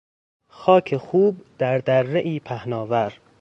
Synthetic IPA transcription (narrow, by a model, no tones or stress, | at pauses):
xɒːcʰexuːb̚d̪̥æɾd̪ærːeʔiːpʰæhnɒːvæɾ